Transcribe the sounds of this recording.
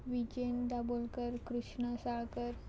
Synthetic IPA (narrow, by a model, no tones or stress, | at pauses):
ʋit͡ɕend̪abolkəɾkɾuʂɳəsakəɾ